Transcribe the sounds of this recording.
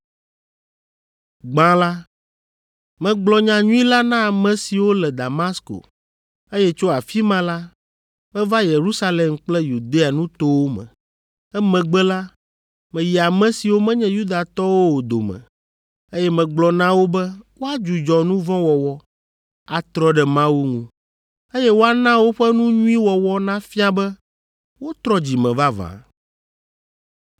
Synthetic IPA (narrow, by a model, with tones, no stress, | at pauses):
ɡ͡bã˦la˦ | mɛ̃˨ɡ͡blɔ˨ɲã˨ɲũ˦i˦la˦nã˦a˨mɛ̃˨si˨wo˦lɛ˨d̪a˨ma˦sko̰˨ | e˦jɛ˦t͡ʃo˦a˨fi˦mã˦la˦ | mɛ̃˦va˦je˨ɾu˦sa˦le˨mk͡plɛ˦ju˨d̪e˦a˨nũ˦t̪o˦wo˦mɛ̰̃˨ | ɛ˦mɛ̃˨ɡ͡bɛ˦la˦ | mɛ̃˨ji˨a˨mɛ̃˦si˨wo˦mɛ̃˦ɲɛ̃˦ju˦d̪a˨t̪ɔ˦wo˦wo˨d̪o̰˨mɛ̰̃˨ | e˦jɛ˦mɛ̃˨ɡ͡blɔ˨nã˦wo˦bɛ˦wo˦a˦d͡ʒu˨d͡ʒɔ˨nũ˦vɔ̃˦wɔ˨wɔ˦ | a˨t̪ɾɔ˦ɖɛ˨mã˦wu˦ŋũ˦˨ | e˦jɛ˦wo˦a˨nã˦wo˦ɸɛ˦nũ˦ɲũ˦ĩ˦wɔ˨wɔ˦nã˦fi˦a˨bɛ˦ | wo˦t̪ɾɔ˦d͡ʑi˨mɛ̃˨va˦vã̰˨